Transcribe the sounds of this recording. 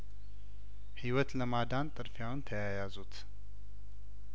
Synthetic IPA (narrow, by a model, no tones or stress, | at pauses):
hiwɔt̪ləmad̪ant̪ʼɨɾfjawnt̪ʰəjajazut̪